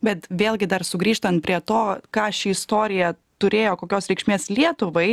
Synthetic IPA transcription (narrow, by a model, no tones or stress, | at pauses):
bʲɛt̪ʋʲeːlʲˠɡʲɪd̪ɐrsʊɡɾʲiːʃt̪ɐnt̪̚pʲɾʲiɛt̪oːkɑːʃʲiɪst̪oːɾʲɪjɛ | t̪ʊɾʲeːjoːkoːkʲoːsɾʲɛɪkʃʲmʲeːslʲiɛt̪ʊʋɐɪ